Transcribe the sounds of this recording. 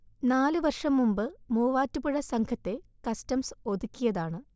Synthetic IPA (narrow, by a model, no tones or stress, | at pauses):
naːlɨʋɐrʂɐmːumbɨmuːʋaːtːupɨɻɐsɐŋkʰɐt̪ːe̞kɐstɐmso̞d̪ukʲːijɐðaːɳɨ